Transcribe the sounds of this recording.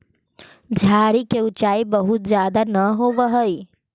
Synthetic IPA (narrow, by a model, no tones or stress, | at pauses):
d͡ʒʱaːɾikeut͡ʃaːibəɦut̪̚zjaːd̪anəɦoːʋəɦəi